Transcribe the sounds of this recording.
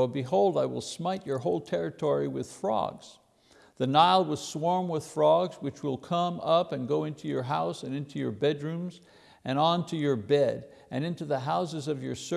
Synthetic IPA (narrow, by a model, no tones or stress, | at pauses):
bɨɦoʊlˠdaɪwɪ̰lˠsmaɪt͡ʃə˞ɦoʊlˠtʰɛɹɨtʰɔɹiwɪð̥fɹɔ̰ɡz̥ | ðɨnaɪlˠwʌz̥swɔɹmwəð̥fɹɔɡzwɨt͡ʃwɪlˠkʰʌ̃mʌpɨ̃nɡoʊɪ̃ntʰʉjə˞ɦaʊsɨ̃nɪ̃ntʰʉjə˞bɛdɹʉ̃mz | ʔɨ̃ñə̃ntʰʉjə˞bɛɾ | ɨ̃nɪ̃ntʉðəɦaʊsɨzʌvjə˞s